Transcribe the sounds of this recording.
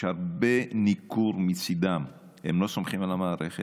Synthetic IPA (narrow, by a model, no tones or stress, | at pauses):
aʁbenikuɾmit͡sid̪am | hemlo̞somχimalamaːɾeχe